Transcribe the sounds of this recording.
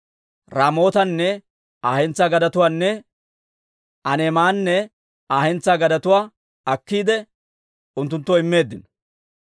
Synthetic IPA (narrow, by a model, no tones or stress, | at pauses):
ɾaːmo̞ːt̪ɐnːɛ | aːhɛnt͡sːaːɡɐd̪ɐt̪ʊwaːnːɛ | ʔɐnɛmaːnːɛ | aːhɛnt͡sːaːɡɐd̪ɐt̪ʊwaː | ɐkːiːd̪ɛ | ʊnt̪ːʊnt̪ːɔɪmːe̞ːd̪ːɪnɔ̥